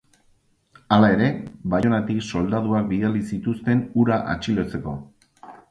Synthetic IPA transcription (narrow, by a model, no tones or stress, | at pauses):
alae̞ɾe̞βajo̞nat̪ikso̞ld̪að̞uak̚biðalisit̪ust̪e̞nuɾaʔa̰t͡ʃilo̞t͡se̞ko̞